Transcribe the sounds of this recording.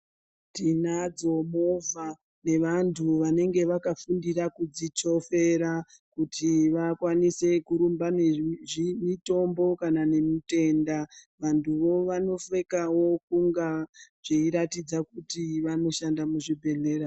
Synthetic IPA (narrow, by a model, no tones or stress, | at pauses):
tinad͡zo̞mo̞va | ne̞ʋantʰuʋane̞ŋɡe̞ʋakafundiɾakud͡zit͡ʃo̞fe̞ɾa | kutʰiʋakwanise̞kuɾumbaneʐimito̞mbo̞kanane̞mute̞ndaʋantʰuʋo̞ʋano̞fe̞kawo̞kuŋɡaʐ̥eiɾatid͡zakutiʋano̞ʃandamuʐibʱe̞ɮe̞ːra